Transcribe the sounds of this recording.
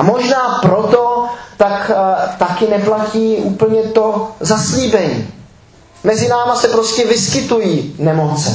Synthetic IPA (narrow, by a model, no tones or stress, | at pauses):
ʔamoʒnaːpɾo̞t̪o̞t̪akt̪akɪnɛplaciːʔuːpl̩ɲɛt̪o̞zasliːbɛɲḭː | mɛzɪnaːmasɛpɾoscɛvɪskɪt̪ujiːnɛmo̞t͡sɛ